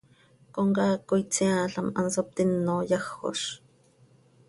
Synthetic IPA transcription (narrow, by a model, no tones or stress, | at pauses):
koŋkɑːkːojt͡siaɬɑmɑnsop̚t̪ɪnːojɑxo̰ʃ